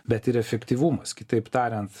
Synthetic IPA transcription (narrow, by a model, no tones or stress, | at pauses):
bʲɛt̪ɪɾɛfʲɛkt̪ʲiʋumɐskʲɪt̪ɐɪpt̪ɑːɾʲɛnt̪